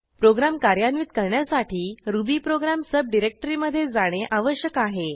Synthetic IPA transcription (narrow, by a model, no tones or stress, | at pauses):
pɾoɡɾamkaɾjanʋit̪̚kəɾɳjasaʈʰiːɾubiːpɾoɡɾamsəb̚ɖiɾek̚ʈəɾiməd̪ʱːjed͡zaɽ̃eʔaʋəɕjəkaɦe